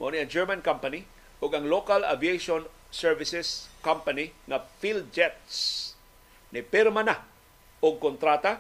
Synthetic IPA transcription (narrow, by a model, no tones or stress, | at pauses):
moniɐŋd͡ʒɛɹmɐnkampɐni | ʔʊɡɐŋlokala̰viejʃon | sɛɹvɪsɛskampaniŋɐfild͡ʒɛt̪s | nɪpɪɾmana | ʔoɡ̚kont̪ɾaːt̪a